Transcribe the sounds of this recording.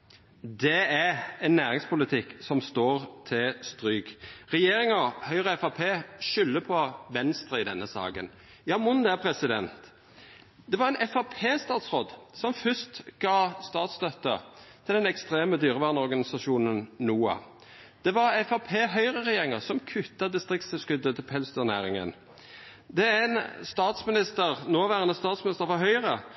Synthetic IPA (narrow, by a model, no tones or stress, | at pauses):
d̪ɛæɛnːæːʁɪŋspʊlɪt̪ʰɪksɔmst̪oːʁt̪ʰɪlst̪ɾyːɡʁɛjeːɾɪŋəɾhœʏʁəɛfɑpʰeːʃʏlːəpʰɔʋɛnst̪ɾəɪd̪ɛnːəsɑ̰ːɡə̰n | jɑːmʊnd̪æpʰɾɛsɪd̪ɛnt̪ | d̪̥ɛʋɑʁɛnʔɛfɑpʰeːst̪ɑːt̪sʁoːd̪sɔmfʏst̪ɡ̥ɑːst̪ɑːt̪st̪œt̪ːət̪ʰɪld̪ɛnɛkst̪ɾeːməd̪yːʁəʋæːʁnɔɾɡɑnɪsɑʃuːnənnuːɑ̰ | d̪̥ɛʋɑʁɛfɑpʰeːɦœʏʁəʁɛjeːʁɪŋəsɔmkʰʉt̪ːɑd̪ɪst̪ʁɪk̚sɪskʉd̪ːət̪ʰɪlpʰɛlst̪əʁnæːɾɪŋə̰n | d̪ɛænst̪ɑːt̪smɪnɪst̪əʁnoːʋæːʁənəst̪ɑːt̪smɪnɪst̪əɾfɑɦœʏʁə